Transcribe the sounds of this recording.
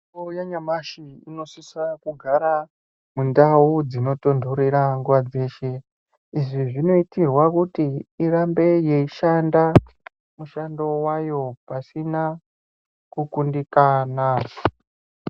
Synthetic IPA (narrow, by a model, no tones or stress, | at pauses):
ojaɲamaʃiino̞sisakuɡʱaɾa | mundaud͡zino̞to̞ndʱoɾeɾaŋɡuʋad͡ze̞ːʃe̞ | iʐiʐino̞itirwakutiirambe̞je̞iʃanda | muʃando̞wajo̞pasina | kukundikanaʐo